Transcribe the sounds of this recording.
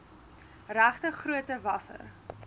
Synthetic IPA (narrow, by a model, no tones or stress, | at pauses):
ræχtəχruətəvɐsə̰r